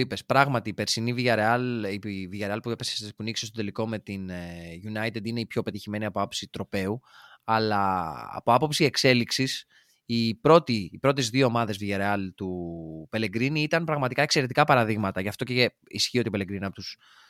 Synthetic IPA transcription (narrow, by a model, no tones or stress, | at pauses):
ipe̞spɾɐɣmɐt̪iːpe̞ɾsiniviʝɐɾeɐliviʝɐɾeɐlpuepesspunikss̬t̪ot̪e̞liko̞me̞t̪inʝunɐjt̪ed̪ine̞ipço̞pe̞t̪içime̞niɐpo̞ɐpo̞psit̪ɾo̞pe̞uɐlɐ̰ːpo̞ɐpo̞psiekse̞liksis | ipɾo̞t̪ipɾo̞t̪ezðio̞ːmɐðe̞zviʝɐɾeɐlt̪upe̞leɡɾiniit̪ɐnpɾɐɣmɐt̪ikɐe̞kse̞ɾe̞t̪ikɐpɐɾɐðiɣmɐt̪ɐʝɐft̪o̞cee | isçio̞t̪ipele̞ɡɾiniɐpot̪us